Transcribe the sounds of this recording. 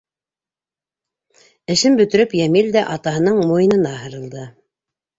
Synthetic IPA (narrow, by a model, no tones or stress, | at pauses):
ɘ̆ʃɘmbɵ̆t̪ɵ̆ɾɵpjæmild̪æʔɑt̪ɑɦɤ̆nɤɴmujɤ̆nɤ̆nɑɦɤ̆ɾɤ̆lˠd̪ɤ